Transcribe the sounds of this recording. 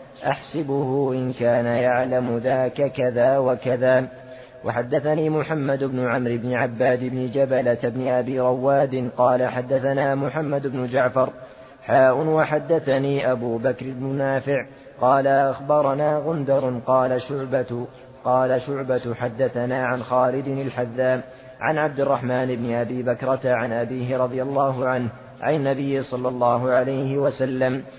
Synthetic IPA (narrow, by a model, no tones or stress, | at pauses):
ʔaħsɪbʊhʊʔɪnkaːnajaʕlamʊðaːkakaðaːwakaðaː | waħad̪ːaθaniːmʊħamːad̪ʊbnʊʕamɾɪbnɪʕabːaːd̪ɪbnɪd͡ʒabalat̪abnɪʔabɪːɾˤɑwːaːd̪ɪnqɑːlaħad̪ːaθanaːmʊħamːad̪ʊbnʊd͡ʒaʕfɑɾˤ | ħaːʔʊnwaħad̪ːaθaniːʔabuːbakɾɪbnʊnaːfɪʕ | qɑːlaʔʔaxbɑɾˤɑnaːɣʊnd̪ɑɾˤnqɑːlaʃʊʕbat̪ʊ | qɑːlaʃʊʕbat̪ħad̪ːaθanaːʕanxaːlɪd̪ɪnalħaðːaːm | ʕa̰nʕab̚d̪ɪrˤːɑħmaːnɪbnɪʔabiːbakɾˤɑt̪aʕanʔabiːɦɪɾˤɑd̪ˤɨjalːaːɦʊʕanh | ʕa̰nːabɪjːɪsˤɑlːɑlˤːɑːɦʊʕalajhɪwasalːam